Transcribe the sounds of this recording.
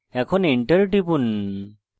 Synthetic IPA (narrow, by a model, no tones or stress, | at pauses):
ɛkʰɔniɳʈəɾʈibun